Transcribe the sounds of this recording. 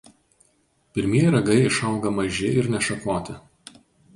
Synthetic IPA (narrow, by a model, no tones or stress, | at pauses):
pʲɪɾʲmʲiɛjɾɐɡɐɪɪʃɐˑʊɡɐmɐʒʲɪʔɪɾnʲɛʃɐkoːt̪ʲɪ